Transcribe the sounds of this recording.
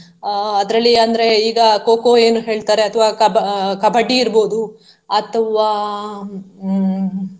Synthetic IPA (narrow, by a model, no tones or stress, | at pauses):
ɐd̪ɐɾɐlːiɐnd̪ɐɾe̞iːɡɐkoːkoe̞ːnuɦe̞ːɭt̪aːɾe̞ɐt̪ʰɐʋakɐbkɐbʱɐɖːiːɾbo̞ːd̪u | ɐt̪ʰɐʋa